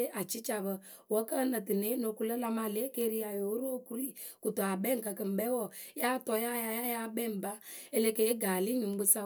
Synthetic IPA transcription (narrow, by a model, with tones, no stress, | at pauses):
e˦ʔa˨t͡ʃi˦t͡ʃa˨bə˨ | wɔ˦kə˦nə˨tɨ˨ne˦no˨ku˦lə˦la˧ma˨le˦ke˦ɾi˦ja˨jo˨˦ɾo˦o˦˨ku˦ɾi˦˨ | ku˨to˨a˨bɛ˦ŋ̩˨kə˨kə˨m̩˨bɛ˦wɔ˨˦ja˦tɔ˧ja˦ja˨ja˦ja˦bɛ˦m̩˨ba˦e˦le˦ke˨˦e˦ɡa˨li˦ɲu˨m˦ɡ͡bɨ˦sa˦